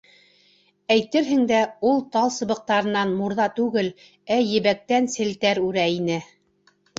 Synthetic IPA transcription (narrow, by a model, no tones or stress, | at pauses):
æjt̪ɘɾɦɘ̆ŋd̪æulˠt̪ɑlˠsɤ̆βɤ̆q̚t̪ɑɾɤ̆nɑnmuɾðɑt̪ʉɡɘl | æjɘ̆βæk̚t̪ænsɘ̆lt̪æɾʉɾæinɘ